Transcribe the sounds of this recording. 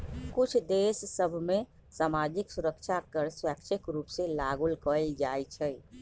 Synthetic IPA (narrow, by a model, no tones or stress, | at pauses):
kut͡ʃʰd̪esːəbʱme | samad͡ʒiksuɾəkt͡ʃʰakəɾswakt͡ʃʰəkɾupsẽlaɡulkəld͡ʒajt͡ʃʰɛ